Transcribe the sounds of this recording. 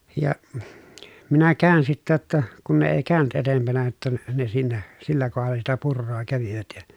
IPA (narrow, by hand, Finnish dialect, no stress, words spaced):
jɑ minæ kæˑøn sitːæ j̆otːɑ kun ne eˑi kæˑy̞ny̆t etempænæ jotːɑ n ne siːnæ silːæ kohɑlːɑ sitæ purːoː kæʋiʋæt jɑ